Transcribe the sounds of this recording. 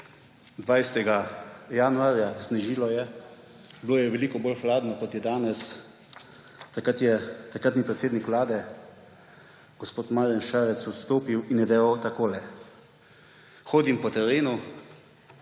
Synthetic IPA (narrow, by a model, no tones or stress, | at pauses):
d̪ʋajst̪ɛɡajanuaːɾjazniʒiːlɔjɛ | bloːjɛʋɛliːkɔbolxlaːd̪nɔkɔt̪jɛd̪aːnɛs | t̪akat̪jɛt̪akɾat̪nipɾɛt̪seːd̪nikʋlaːd̪ɛ | ɡ̥ɔspoːt̪maːɾanʃaːɾɛt̪sɔt̪st̪oːpiwinjɛd̪ɛʋawt̪akoːlɛ | xoːd̪impɔt̪ɛɾeːnu